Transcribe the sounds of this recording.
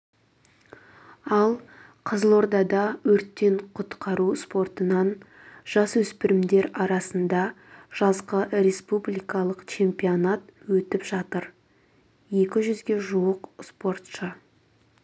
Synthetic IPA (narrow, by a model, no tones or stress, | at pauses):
ɑlˠ | qʰəzəlˠo̞ɾd̪ɑd̪ɑwɵɾt̪ːe̞ɴqʰʊt̪qʰɑɾuspo̞rt̪ənɑn | ʒ̥ɑswɵspɪɾɪmd̪e̞ɾɑɾɑsənd̪ɑ | ʒ̥ɑzqəɾe̞spublijkɑlˠəqt͡ʃʰe̞mpionat̪wɵt̪ɪpʒɑt̪əɾ | je̞kʲɪʒʏzɡʲe̞ʒuwəqspo̞rt̪ʃə